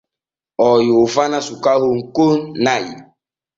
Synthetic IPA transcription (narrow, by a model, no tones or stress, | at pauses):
ɔjofanasukaɦoŋ̩konnajḭ